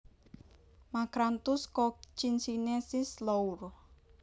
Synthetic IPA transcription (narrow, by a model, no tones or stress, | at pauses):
makɾant̪uskɔt͡ʃinsinesislour